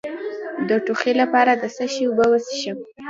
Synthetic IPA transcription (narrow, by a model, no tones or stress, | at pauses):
d̪əʈuxelapɑɾad̪əsəʃiubəwəsiʃəm